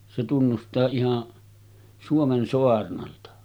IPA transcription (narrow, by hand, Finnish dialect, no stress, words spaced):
se tunːustɑː ihɑn suomen soɑrnɑltɑ